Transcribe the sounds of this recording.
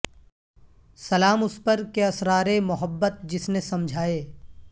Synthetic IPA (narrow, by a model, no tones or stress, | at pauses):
sɐlaːmʊspəɾkeɐsɾaːɾemʊɦəbːət̪̚d͡ʒɪsnesɐmd͡ʒʱaːeː